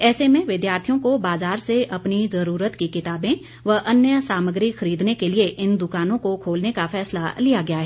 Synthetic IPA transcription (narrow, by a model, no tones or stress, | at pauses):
ɛːsemẽʋɪd̪jaːɾt̪ʰijõkobaːzaːɾseʔɐpnizɐɾuːɾət̪kikɪt̪aːbẽ | ʋɐʔɐnjəsaːməɡɾixɐɾiːd̪nekelieʔɪnd̪ʊkaːnõkokʰoːlnekafʰɛːslalijaɡɐjaɦɛː